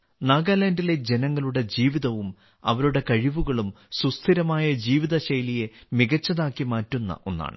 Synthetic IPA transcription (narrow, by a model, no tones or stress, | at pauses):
naːɡalɐndile̞d͡ʑe̞nɐŋːɐɭuɽe̞d͡ʑiːʋiðɐʋum | ɐ̰ʋɐɾuɽe̞kɐɻiʋuɣɐɭum | sust̪ʰiɾɐmaːjɐd͡ʑiːʋiðɐɕɐjlije̞miɣɐt͡ɕːɐðaːkːimaːtːunːɐ̰ʔo̞̰nːa̰ːɳɨ